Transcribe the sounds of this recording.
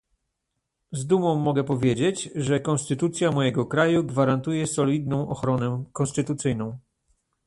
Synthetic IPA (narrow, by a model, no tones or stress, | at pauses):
zd̪umɔ̃w̃ːɔɡɛpɔvʲjed͡ʑed͡ʑʐɛkɔnst̪ɘt̪ut̪sʲjamɔjɛɡɔkɾajuɡvaɾant̪ujɛsɔlʲid̪nɔ̃w̃ʔɔxɾɔnɛkɔnst̪ɘt̪ut̪sɘjn̪ɔ̃w̃